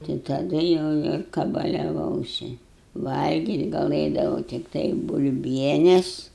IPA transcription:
tɐɪ tɐˈdʊ jɛʊ ɪr kɐbɐlʲɛˈʋɐʊsʲɪ ˈʋɐlʲɡʲiːtʲ ɡɐlˠɘdɐʋɐʊ tʲɪkˈtɐɪ bʊlʲˈbʲiɛnʲɛs

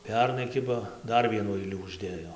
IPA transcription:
ˈpʲɛrnɐɪ ˈkʲɪbɐ ˈdɐr ˈʋʲiɛnuː ˈɐɪlʲuː ʊʒʲˈdʲeːjoː

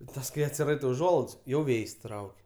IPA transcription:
ɪ ˈtɐs kɐɪ ɐtʲsʲɪˈrɐɪtɐɪ ʊˈʒuɔlˠɐɪts jɛʊ ˈʋʲeːjsʲ ˈtrɐʊkʲ

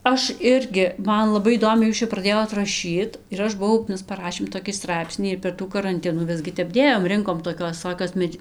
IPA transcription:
ˈɐʃ ˈɪrʲɡʲɪ ˈmɐn lˠɐˈbɐɪ iːˈdoːmʲɛɪ ˈjuːs t͡ʃʲɛ prɐˈdʲeːjoːt rɐˈʃʲiːt ɪr ˈɐʃ bʊˈʋɐʊ ˈmʲɛs pɐˈrɑːʃʲeːm toːˈkʲiː ˈstrɐɪpʲsʲnʲiː ɪr pʲɛr ˈtuː kɐrɐnʲˈtʲɪnuː ˈʋʲɪzʲɡʲɪ ˈtʲɛp ˈdʲeːjoːm ˈrʲɪŋkoːm toːˈkʲoːs ʋʲɪˈsoːkʲoːs ˈmʲɛt͡ʃ

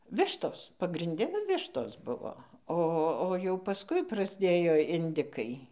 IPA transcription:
ˈʋʲɪʃtoːs pɐɡrʲɪnʲˈdʲɛ ˈʋʲɪʃtoːs ˈbʊʋoː ˈoː oː jɛʊ pɐsˈkʊɪ prɐzʲˈdʲeːjoː ɪnʲˈdʲɪkɐɪ

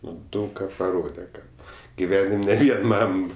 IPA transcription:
ˈnʊ ˈdɐʊk kɐ pɐˈroːdʲɛ ˈkɐt ɡʲɪˈʋʲæːnʲɪmʲ nʲɛ ˈʋʲiɛn ˈmɐm

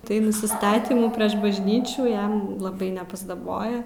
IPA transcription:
tɐɪ nʊsʲɪˈstɑːtʲiːmuː pʲrʲiɛʃ bɐʒʲˈnʲiːt͡ʃʲuː ˈjɛm lˠɐˈbɐɪ nʲɛpɐzdɐˈboːjɛ

